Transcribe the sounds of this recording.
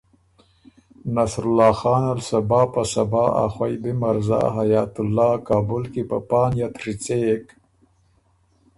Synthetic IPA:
nasɾʊlːɑːxɑːnalsabɑːpasabɑːa̰xwajbimaɾzɑ̰ɦajɑːt̪ʊlːɑːkɑːbʊlkipə̰pɑːnjat̪ɾit͡sek

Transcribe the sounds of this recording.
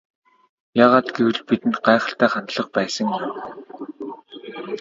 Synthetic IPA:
jaːʁaːt̪ɡewɘ̆ɮpit̪ɘ̆nt̪̚ɢaːχə̥̆ɬt̪æːχant̪ɮə̆q̚pæːsə̆ŋ

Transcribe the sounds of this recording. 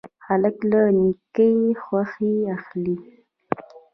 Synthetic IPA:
xaləklanikəjxwaxiaxli

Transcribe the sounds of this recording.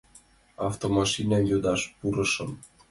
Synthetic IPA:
ɑft̪omɑʃinʲɑnjod̪ɑʃpuɾɤ̆ʃɤ̆m

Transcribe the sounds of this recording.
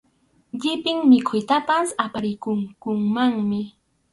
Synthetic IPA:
ʎɪpɪŋmɪkʰʊjt̪apasapaɾɪkʊŋkʊŋmaŋmɪ

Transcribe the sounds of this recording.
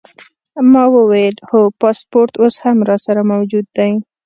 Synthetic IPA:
mɑwəwajlxopɑspoɾt̪oshamɾɑsaɾamawd͡ʒud̪ːaj

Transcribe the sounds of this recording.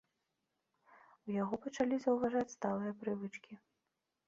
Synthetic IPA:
wjaɣɔpɐt͡ʂalʲizɐwvaʐat͡sʲst̪alˠɨjɐpɾɨvɨt͡ʂkʲi

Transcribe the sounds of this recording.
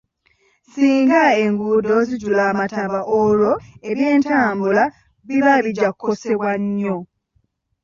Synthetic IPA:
siːŋɡae̞ŋɡuːdo̞ziɟulaːmataβaʔoɾo̞e̞ɾje̞ːntaːmbula | βiβaβiɟakʰːo̞se̞βwaɲːo̞

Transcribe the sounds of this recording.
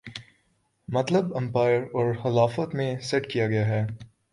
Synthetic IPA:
mɐt̪ləbɐ̃mpaːɪəɾɔːɾxɪlaːfət̪mẽsɛʈkijaɡɐjaɦɛː

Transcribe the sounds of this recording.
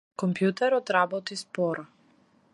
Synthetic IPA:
kɔmpjut̪ɛɾɔt̪ɾabɔt̪ispɔɾa

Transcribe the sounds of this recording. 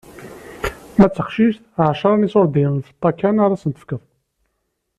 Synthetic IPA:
mæt͡sːəqʃiʃt̪ʕʃɑɾˤnisoɾˤd̪iwənθət̪ˤːɑkːænaɾˤɑsənt̪ə̥fkəðˤ

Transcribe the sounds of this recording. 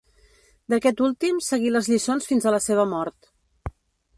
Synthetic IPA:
d̪əkɛt̪ulˠt̪imsəɣiləzʎisonsfinzələseβ̞əmɔɾt̪

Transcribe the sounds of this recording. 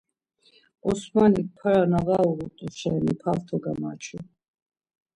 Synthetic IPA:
ɔsmanik̚pʰaɾanaʁauɾut̪ʼuʃɛnipʰalt̪ʰɔɡamat͡ʃʰu

